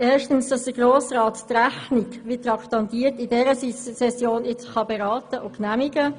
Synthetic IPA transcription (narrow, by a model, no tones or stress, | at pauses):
ɛːʃtənsd̥ɑsd̥əɡɾoːsɾɑːttræχniɡʋɪtɾɑktɑntiːəɾtɪdɛɾəsissɛsjoːnɪt͡sχɑbeɾɑːtəʔʊknæmiɡə